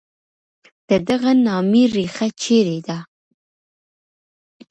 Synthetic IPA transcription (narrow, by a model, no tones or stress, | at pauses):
d̪̥əd̪aɣanɑmiɾixat͡ʃeɾed̪a